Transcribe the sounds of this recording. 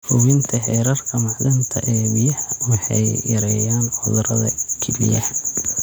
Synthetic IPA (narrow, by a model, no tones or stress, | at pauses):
hʊwɪnt̪ʰɐhɛːɾɐrkʰɐmɑʕlɪmt̪ʰɐʔɛːbɪjɐhɐwɑħɑ̰jjɐɾɛjaːnʊðɾɐ̰ðɐ̰kʰɛlḭjɐ